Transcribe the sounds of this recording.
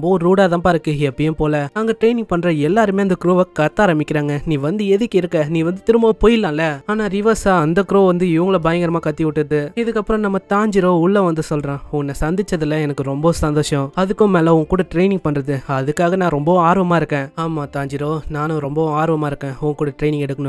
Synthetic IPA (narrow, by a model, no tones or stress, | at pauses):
ɔmbɐ̃ɾuːɽaːðãːpɐɾɯkːɯɛpːɽɪjʊ̃mpoːlɐnaːŋɡɐʈɾeːɪnɪ̃ŋɡ̚pɐɳɾɐɛlːaːɾɯmeːɐnd̪ɐkɾoːʋɐkɐt̪ːaːɾɐmbɪkːɪɾaːŋɡɐnĩːʋɐnd̪ɯɛðɯkʲːɐɪɾɯkːɐnĩːʋɐnd̪ɯt̪ɪɾɯmbɐʋɐpoːjɪlːãːlɐaːnaːɾɪʋɐsaɐnd̪ɐkɾoːʋɐnd̪ɯɪʋɐŋɡɐɭɐbaːjɐŋɡɐɾɐmaːkɐt̪ːiʋɪʈːɯðɯɪðɯkːɐpːɯɾɔ̃nɐmːɐt̪aːɲd͡ʒɪɾoːʊɭːɐʋɐnd̪ɯsɔlɾãːʊnːɐsɐnd̪ɪt͡ʃːɐðɪlːɐɛnɐkːɯɾɔmbɐsɐnd̪oːʂɐ̃ɐðɯkːʊ̃meːlɐɔŋɡɐkːuːɽɐʈɾeɪnɪ̃ŋɡ̚pɐɳɾɐðɯɐðɯkːaːɣɐnãːɾɔmbɐaːɾʋɐmaːɪɾɯkːẽːaːmaːt̪aːɲd͡ʒɪɾoːnaːnʊ̃ɾɔmbɐ̃aːɾɔʋɐmaːɪɾɯkːẽːɔŋɡɐkuːɽɐʈɾeːɪnɪ̃ŋɡɛɽɯkːɐnʊ̃